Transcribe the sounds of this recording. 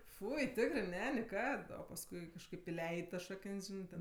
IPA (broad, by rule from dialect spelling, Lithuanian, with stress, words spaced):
ˈfʊɪ ˈtʲɪkrɜ ˈnʲɛ nʲɪˈkɐt oː pɐsˈkʊɪ kɐʃˈkɐɪp ɪˈlʲɛɪtʲ tɐs ˈʃɑːkənʲsʲ ˈʒʲɪnɜ tʲɛn